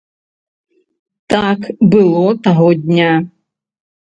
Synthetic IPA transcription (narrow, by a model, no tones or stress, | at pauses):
t̪akbɨlˠɔt̪aɣɔd̪ʲnʲa